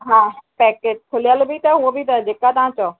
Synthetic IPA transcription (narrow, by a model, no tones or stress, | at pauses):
ɦãːpɛːkeːd͡ʑkʰʊlijəlbʱit̪ɐɦuobʱit̪ɐd͡ʑeːkat̪ɐʋãt͡ɕɐo